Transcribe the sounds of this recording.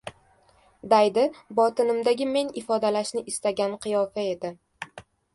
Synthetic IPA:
d̪ajd̪ɪbɒt̪ɪnɪmd̪aɡʲɪme̞nɪfɒd̪alaʃnɪʔɪst̪aɡʲanqʰɨjɒfae̞d̪ɪ

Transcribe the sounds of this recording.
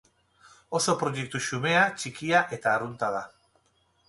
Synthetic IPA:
o̞so̞pɾojek̚t̪uʃume̞at͡ʃikiaʔe̞t̪aːrunt̪aða

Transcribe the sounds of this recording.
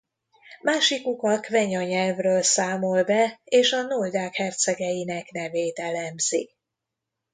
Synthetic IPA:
maːʃikukɒkvɛɲɒɲɛlvrøːlsaːmo̞lbɛeːʃɒnold̪aːkhɛrt̪sɛɡɛjinɛkn̪ɛveːt̪ɛlɛmz̥ḭk

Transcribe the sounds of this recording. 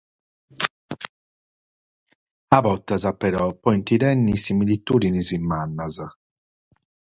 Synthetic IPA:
abɔt̪ːazapɛɾɔpːɔint̪iɾɛnːisimilit̪ːuːd̪inizimːanːaza

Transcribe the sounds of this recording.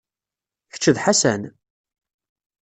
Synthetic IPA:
çə̥t͡ʃːəðħasæn

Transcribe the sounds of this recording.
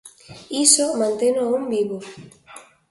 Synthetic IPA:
isomãnt̪enoumbiβo

